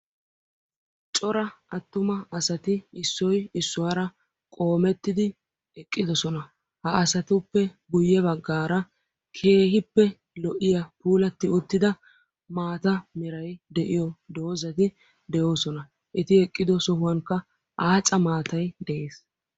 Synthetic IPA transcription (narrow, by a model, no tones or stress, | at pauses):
t͡ʃʼɔɾɐɐt̪ːʊmɐɐsɐt̪ɪɪsːɔjɪsːʊwaɾɐ | kʼo̞ːmɛt̪ːɪd̪ɪ | ɛkʼːɪd̪ɔsɔnɐ | hɐɐsɐt̪ʊpːɛɡʊjːɛβɐɡːaːɾɐ | kʰe̞ːhɪpːɛ | lɔʔɪjɐpuːlɐt̪ːɪʊt̪ːɪd̪ɐ | maːt̪ɐmɪɾɐjd̪ɛʔɪjɔd̪oːzɐt̪ɪ | d̪ɛjo̞ːsɔnɐ | ʔɛt̪ɪɛkʼːɪd̪ɔsɔhʊwɐŋkːɐ | ʔaːt͡sʼɐmaːt̪ɐjd̪ɛʔeːs